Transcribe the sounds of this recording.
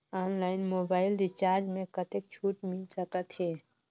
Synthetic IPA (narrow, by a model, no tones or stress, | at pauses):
aːnlaːɪnmoːbaːɪlɖɪt͡ʃaːɾd͡ʒmẽkət̪ek̚t͡ʃʰuːʈmɪlsəkət̪ɦɛː